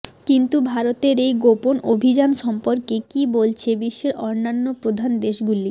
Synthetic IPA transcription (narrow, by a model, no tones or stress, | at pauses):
kint̪ubʱaɾot̪eɾejɡoponobʱid͡ʑanʃɔmpoɾkekibolt͡ɕʰebiʃːeɾɔɾnːanːopɾod̪ʱand̪eʃɡuli